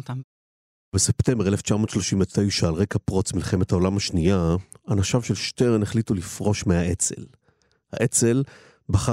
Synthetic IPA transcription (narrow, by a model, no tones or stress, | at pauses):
ta | bese̞pte̞mbe̞eleft͡ʃamo̞tʃlo̞ʃimvet̪ʰejʃaːlʁejkapʁo̞t͡smilχe̞met̪hao̞lamaʃniaanaʃavʃe̞lʃteʁneχlitulifʁo̞ʃmeaʔet͡se̞̰l | ha̰ʔe̞t͡se̞l | baχa